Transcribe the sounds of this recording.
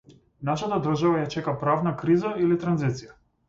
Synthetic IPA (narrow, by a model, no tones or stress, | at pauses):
naʃat̪ad̪r̩ʒavajat͡ʃɛkapɾavnakɾizailit̪ɾanzit̪sija